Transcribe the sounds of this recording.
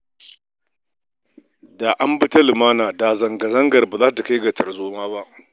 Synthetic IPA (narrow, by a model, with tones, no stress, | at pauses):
da˨ʔa˦mbɪ˦ta˦lɪ˨maː˦naː˨da˨zɐ˨ŋɡa˨zɐ˦ŋɡɐ˨rbaː˨zaː˦ta˨ka˦jɡa˨tʰɐ˨zoː˦maː˦ba˦ʔ